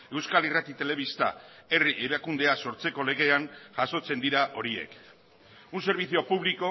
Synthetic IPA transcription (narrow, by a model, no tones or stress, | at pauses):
e̞wskalirat̪it̪e̞le̞β̞ist̪a̰e̞riʔeɾakund̪e̞aso̞ɾt͡se̞ko̞le̞ɣ̞e̞anʝaso̞t͡se̞nd̪iɾaʔo̞ɾie̞̰k | unse̞ɾβiθio̞puβ̞liko̞